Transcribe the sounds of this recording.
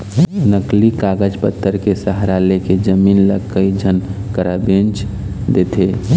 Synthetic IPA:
nəklikaɡəd͡ʒpət̪ʰːəɾkesəɦɾaleked͡ʒəmiːnləɡkəid͡ʒʱənkəɾabẽnt͡ʃd̪et̪ʰe

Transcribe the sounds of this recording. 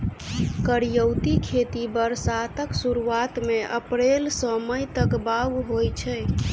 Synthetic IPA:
kəɾjəwt̪ikʰet̪ibəɾsat̪əksuɾuat̪meʔə̰pɾelsə̃məjt̪əkbaɡɦojt͡ʃʰɛ

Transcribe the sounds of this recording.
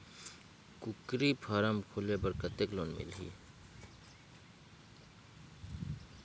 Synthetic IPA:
kʊkɾipʰaɾəmkʰulebɐɾkɐt̪ekloːnmɪ̰lɦḭː

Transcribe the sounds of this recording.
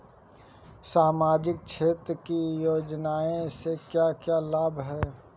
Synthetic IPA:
saːmaːd͡ʒɪk̚t͡ʃʰeːt̪ɾəkijoːd͡ʒnaːẽsekjakjaːlaːbʱɦɛː

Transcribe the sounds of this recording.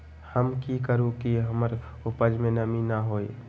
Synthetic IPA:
həmkikəɾũkiɦəməɾ | ʊpəd͡ʒmẽnɐminaɦoːḛ

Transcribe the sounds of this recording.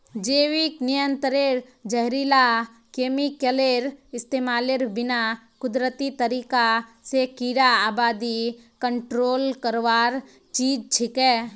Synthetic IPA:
d͡ʒeːwiknɪjə̃nt̪əɾeɾd͡ʒəɦɾiːla | keːmikeleɾɪst̪eːmaːleɾbɪna | kʊd̪ɾət̪it̪əɾiːkasekiɾaaːbaːd̪ikəɳʈɾoːlkəɾʋaːɾ | t͡ʃiːd͡ʒt͡ʃʰɪkɛː

